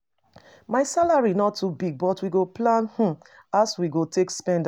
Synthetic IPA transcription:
maɪsalaɹinɔtːubiɡ̚bɔtwiɡoplãnh̩ | aswiɡotekspɛ̃nd

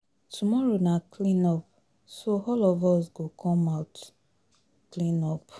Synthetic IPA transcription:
tʰumɔɹonakʰlĩnɔp̚ | soɔlɔvɔsɡokʰɔ̃mat | klĩnɔp

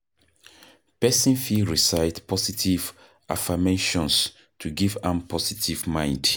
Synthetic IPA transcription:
pɛsĩnfiɹisaɪtpʰɔsitʰiv | ʔa̰fameʃɔ̃ns | tʰuɡivãmpʰɔsitʰivmãj̃nd

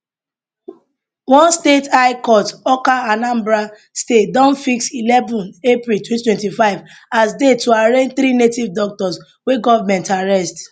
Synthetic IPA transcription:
wɔ̃nstetʰaɪkɔtɔkaanãmbɹa | stetdɔ̃nfiksilɛvɔ̃nepɾiltʰwɛ̃twɛ̃ntifaɪv | asdetʰːoaɹẽnd͡ʒθɾinetivdɔk̚tɔs | weɡɔvamɛ̃ntaɹɛst

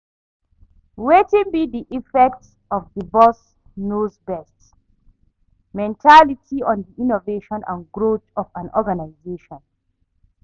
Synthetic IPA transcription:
wetĩnbiðiʔifɛk̚ts | ɔvðəbɔs | nozbɛst | mɛ̃ntʰalitʰiɔ̃ndiʔĩnoveʃɔ̃nʔã̰nɡɹotɔvãnɔɡanaɪzeʃɔ̃n

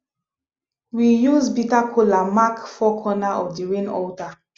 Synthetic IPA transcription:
wijuzbitakʰolamakfɔkʰɔnaʔɔvdiɹẽnɔ̰ta

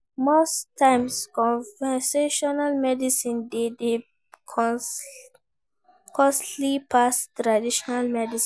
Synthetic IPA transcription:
mostːãɪmskɔ̃vɛseʃɔnalmɛdisĩndede | kɔslipʰastɹadiʃɔnalmɛdis

